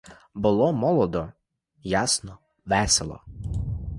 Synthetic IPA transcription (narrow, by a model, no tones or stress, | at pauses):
bʊlˠɔmɔlˠɔd̪ɔ | jasnɔ | ʋɛselˠɔ̰